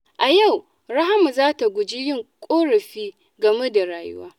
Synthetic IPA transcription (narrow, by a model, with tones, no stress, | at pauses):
ʔa˨ja˦˨w | ɽa˦ɦa˦mu˨zaː˦ta˨ɡʷʊ˨d͡ʒɪ˦jɪ˦ŋkʷʼoː˦ɽɐ˨ɸiː˦ | ɡɐ˨me˦da˨ɾaː˨jʊ̰˦waː˦